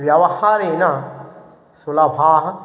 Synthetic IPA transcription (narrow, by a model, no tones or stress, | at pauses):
ʋjɐʋɐhaːɾeːna | sulɐbʱaːɦɐ